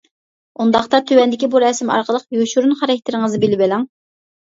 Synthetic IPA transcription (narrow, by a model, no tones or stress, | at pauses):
und̪ɑχt̪ɑt̪ʰøwɛnd̪ɪkʲibuɾɛsɪmɑ̰ɾqəlˠəqjoʃuɾunχɑɾɛkʲt̪ʰːɪɾɪŋəzɨbɪlɪbɪlɑŋ